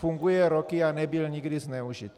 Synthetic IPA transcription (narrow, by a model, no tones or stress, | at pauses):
fuŋɡujɛɾokɪanɛbɪlɲiɡdɪznɛuʒḭt̪